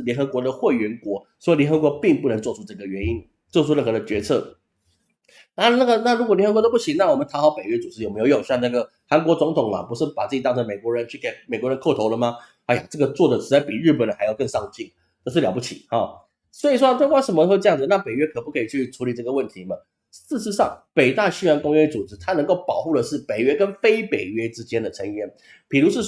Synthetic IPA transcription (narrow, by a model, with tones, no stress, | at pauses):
ljɛ˧˥nxɤ˧˥kwɔ˧˥d̪ə˧˨xwe˥˩ɪɥɛ˧˥nkwɔ˧˥ | swɔ˥i˨˧ljɛ˧˥nxɤ˧˥k̬wɔ˧˥pi˥˧ŋpu˥˩nə˧˥ŋt͡swɔ˥˧ʈ͡ʂʰu˥ʈ͡ʂɤ˥˩ɡə˩ɥɛ˧˥ni˦˥n | t͡swɔ˥˧˩ʈ͡ʂʰu˥ɻə˥˩ŋxɤ˧˥d̪ə˧t͡ɕɥɛ˧˥t͡sʰɤ˥˩ | na˥˧na˥˩ɡə˨na˥˩ɻu˥kwɔ˨˩lɛ˧˥nxkw̪o˥pu˥˩ɕi˨˩˦na˥˩wɔ˨˩mə˦nt̪ʰa˧˥xɑ˧˥ʊpe˨˩ɪɥɛ˧˥t͡su˨˩ʂɻ̩˥jo˨˩me˧˥jjo˨˩ɕa˥˧ŋna˥˩ɡə˩ | xa˧˥nk̬wɔ˧˥t͡sʊ˧˥ŋt̪ʰʊ˨˩ŋlɐ̰˨pu˧˥ʂɻ̩˥˩pa˨˩t͡sɨ˥˩t͡ɕi˨˩t̪ɑ˥ŋʈ͡ʂʰə˧˥me˨˩ɪkwɔ˧˥ɻə˧˦nt͡ɕʰy˥˩ke˨˩ɪme˨˩ɪkwɔ˧˥ɻə˧˥nkʰo˥˩ʊt̪ʰo˧˥ʊlə˧˨ma˨˩ | a˥jo˨˩ʈ͡ʂɤ˥˩ɡə˩t͡swɔ˥˩d̪ə˩ʂʰɻ̩˧˥t͡sa˥ɪpi˨˩ɻɻ̩˥˩pə˨˩nxa˧˥ɪjɑ˥˧ʊkə˥˧ŋʂɑ˥˧ŋt͡ɕi˥˩ | t̪o˥˧ʂ̬̩˥˩ljɑ˨˩p̬u˥˩t͡ɕʰḭ˨˩hɑ˨˩ | swɔ˧˥i˨˩ʂwɔ˥t̪we˥˧kwa˥˩ʂə˧˥nmə˧˥˧ʈ͡ʂɤ˥˧jɑ˥˩ŋd͡z̩˩na˥˨pe˨˩ɪɥɛ˥kʰɤ˨˩pu˥˩kʰɤ˧˥i˨˩t͡ɕʰy˥˩˨ʈ͡ʂʰu˧˥li˨˩ʈ͡ʂɤ˥˩ɡə˨wə˥˩nt̪ʰi˨˦mɐ˨ | ʂɻ̩˥˩ʂɻ̩˧˥ʂɑ˥˩ŋpe˨˩ɪt̪a˥˩ɕy˥a˧˥nkʊ˥ŋɥɛ˥t͡su˨˩ʈ͡ʂɻ̩˧˥t̪ʰa˥nə˧˥ŋko˥˩ʊpɑ˨˩ʊxu˥˩lə˩ʂɻ̩˥˩pe˨˩ɪɥɛ˥kə˥nfe˥ɪpe˨˩ɪɥɛ˥ʈ͡ʂɻ̩˥t͡ɕjɛ˥nd̪ə˨ʈ͡ʂʰə˧˥ŋjɛ˥n | pi˨˩ɻu˧˥ʂɻ̩˥˩